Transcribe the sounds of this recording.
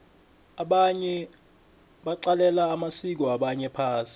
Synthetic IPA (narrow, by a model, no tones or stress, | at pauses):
aɓaɲɛ | ɓaǀalɛlaːmasik̬ɔaɓaɲɛpʰaːsi̥